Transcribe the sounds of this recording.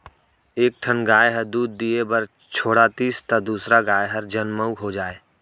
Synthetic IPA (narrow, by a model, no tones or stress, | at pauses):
eːk̚ʈʰənɡaːjɦəɾd̪uːd̪ːiebəɾ | t͡ʃʰoːɽat̪iːst̪ɐd̪uːsɾaɡaːjɦəɾd͡ʒənməʊkɦod͡ʒaːeː